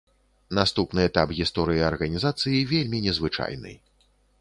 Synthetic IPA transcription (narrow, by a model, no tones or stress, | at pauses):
nast̪upnɨɛt̪apɣʲist̪ɔɾɨjiɐrɣɐnʲizat̪sɨjivʲelʲmʲinʲɛzvɨt͡ʂa̰jnɨ̰j